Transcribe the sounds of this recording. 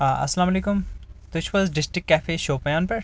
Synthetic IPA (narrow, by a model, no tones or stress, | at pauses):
aɐ̰sːɐlaːmɐleːkʊmt̪ʊt͡ʃʋɐːzɖɪsʈɾɪkːɛːfeʃoːpɐjãːnpɐɾ